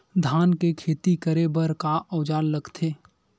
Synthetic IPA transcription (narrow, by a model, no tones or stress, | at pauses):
d̪ʱaːnkekʰeːt̪ikəɾebəɾkaʔɔːd͡ʒaːlːəɡt̪ʰeː